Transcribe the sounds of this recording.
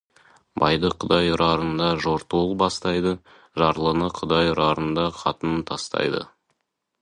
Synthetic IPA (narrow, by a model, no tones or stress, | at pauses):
bɑjd̪əqʰʊd̪ɑjʊɾʔɑɾənd̪ɑʒo̞ɾt̪olˠbɑst̪ɑjd̪ə | ʒɑɾlˠənəqʰʊd̪ɑjʊɾɑɾənd̪ɑqʰɑt̪ənət̪ʰɑst̪ɑ̰jd̪ə̰